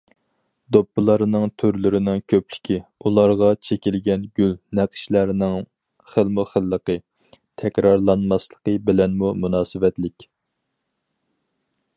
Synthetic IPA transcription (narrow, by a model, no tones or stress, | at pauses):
d̪opːɨlˠɑɾnɨŋt̪ʰøɾlɪɾɪnɪŋkʲʰøplɪ̥kʲiulˠɑɾʁɑt͡ʃʰekʲilɡʲɛnɡʲylnæqʰə̥ʃlæɾnɪŋ | χəlˠmɨχəlːəqə | t̪ʰɛkʲɾɑɾlˠɑnmɑslˠəqəbɪlɛnmumunɑːsɨvɛt̪lɪkʲ